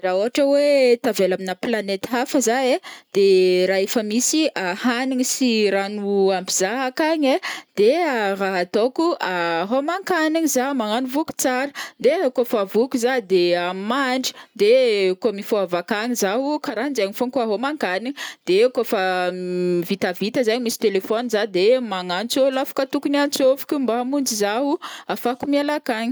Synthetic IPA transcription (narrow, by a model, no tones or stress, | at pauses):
raoɦaʈ͡ʂəwet̪avelaminaplanet̪afəzaed̪̥eɾaefəmisiʔahaniɲisiɾanuambiz̥aɦakaɲed̪̥eaɾaɦt̪okuaɦomaŋkaniɲizamaŋanuvuku̥t͡saɾəd̪ekofavukuzad̪eamaɳɖ͡ʐi̥d̪ekomifoavakaɲizaɦukaɾand͡ʒaɲifoŋkoaɦomaŋkaniɲid̪̥ekofa | vit̪avit̪əzaɲimisi̥t̪elefɔnizad̪emaŋant͡solafḁkət̪ukunant͡sofu̥kʲumbamund͡ʒizaɦuafakumialakaɲi̥